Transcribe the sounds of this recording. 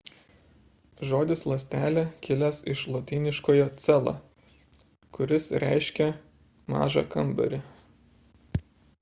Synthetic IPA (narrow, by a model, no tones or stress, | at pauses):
ʒoːd̪ʲɪslˠɐsʲt̪ʲæːlʲɛkʲɪlʲɛsɪʃlˠot̪ʲiːnʲɪʃkoːjot̪sʲɛlˠɑ̰ | kʊɾʲɪsɾʲæ̰ˑɪʃʲkʲɛ | mɑ̰ːʒɑ̰kɐmbɐ̰ɾʲɪ